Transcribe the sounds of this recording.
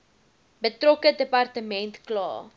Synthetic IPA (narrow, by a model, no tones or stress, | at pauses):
bətrɔkədəpɐrtəmɛntklɑ̰ː